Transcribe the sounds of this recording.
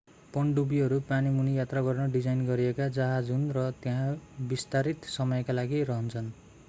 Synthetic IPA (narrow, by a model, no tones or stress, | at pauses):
pʌɳɖubiɦʌɾupanimunijat̪raɡʌrnʌɖid͡zajnɡʌɾiekad͡zʌɦad͡zɦunrʌt̪eɦãbist̪aɾit̪sʌmʌjkalaɡirʌɦʌnt͡sʰʌn